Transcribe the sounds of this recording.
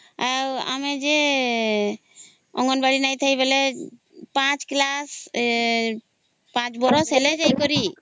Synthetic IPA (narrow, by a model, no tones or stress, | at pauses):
awa̰med͡ʒe | ɔŋɡɔnbaɽinajt̪ʰəibele | pãt͡ʃklas | pãt͡ʃbɔɾɔsɦeled͡ʒajkɔɾi